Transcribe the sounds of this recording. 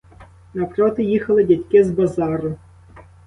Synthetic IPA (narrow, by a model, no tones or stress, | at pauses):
nɐpɾɔt̪ɨjixɐlˠɪdʲatʲkʲizbazɑɾʊ